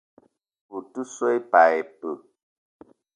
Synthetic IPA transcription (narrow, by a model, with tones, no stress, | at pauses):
u˨tu˦sɔ˦jpa˨ɛ˨pə˨